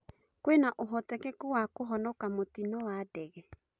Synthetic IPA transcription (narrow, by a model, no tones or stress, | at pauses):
kwenaʔoɦɔt̪ɛkekuwakoɦɔnɔkamot̪inɔwadɛɣɛ